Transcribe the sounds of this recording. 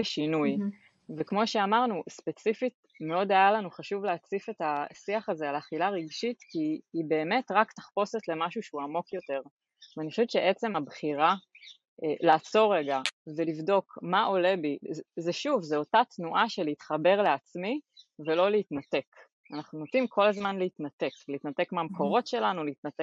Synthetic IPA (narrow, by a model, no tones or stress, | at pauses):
eʃinuj | vekmo̞ʃeamaʁnuspet͡sifit̚ | me̞o̞dajalanuχaʃuvleat͡sife̞tasiaχazealaχilaʁiɡʃitkiːbe̞ːme̞tʁaktḁχpo̞se̞tle̞maʃuʃeuamo̞kjo̞te̞ʁ | veaniχo̥ʃeɛvt͡ʃeʔet͡se̞mabχiʁa | elaːt͡so̞ʁeɡavelivdo̞kmaʔo̞le̞bizeʃuvzeo̞tatnuʔaʃeleit̪χabe̞ʁleat͡smivelo̞leit̪nat̪e̞k | anaχnunotimkʰo̞lazmanleit̪nat̪e̞kleiːt̪nate̞kmeamkʰo̞ʁo̞tʃe̞lanuleit̪nat̪ek